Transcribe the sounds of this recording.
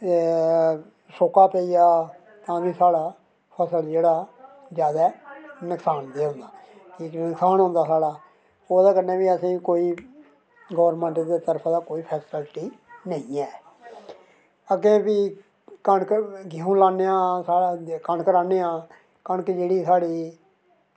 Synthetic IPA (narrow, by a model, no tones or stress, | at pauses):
soːkaːpɛːiːaː | t̪ãːʋĩːsaːɽaː | pʰəsəld͡ʒeːɽaː | zjaːd̪aːnəksaːnd̪eːɦʊ̃nd̪aːkʰiːknəksaːnɦʊ̃nd̪aːsaːɽaː | oːd̪aːkəneːʋiːəsĩːkoːiː | ɡəːəɾmɛ̃ɳʈd̪eːt̪əɾpʰːd̪aːkoːiːpʰɛːsəlʈiːnəĩːɛː | əɡẽːbiː | kəɳkəɡiũːlaːneːãːsaːɽkəɳkəɾaːneːãː | kõːnkɪd͡ʒeːɽiːsaːɽiː